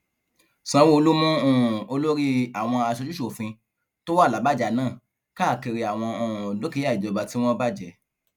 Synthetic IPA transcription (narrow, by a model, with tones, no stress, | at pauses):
sã˨˦wo˦o˧lo˦mũ˦õ˦˨o˧lo˦ɾi˦a˨w̃ɔ̃˧a˧ʃɔ˧˦d͡ʒu˦o˨fĩ˧ | to˦wa˦˨la˨˦ba˦˨d͡ʒa˨˦nãː˦˨ | ka˦˨ke˧ɾi˧a˨w̃ɔ̃˧ɔ̃˨lo˦ki˨˧˦a˦˨i˨d͡ʒɔ˨˧˨ba˧ti˨˦w̃ɔ̃˦ba˦˨d͡ʒɛ˨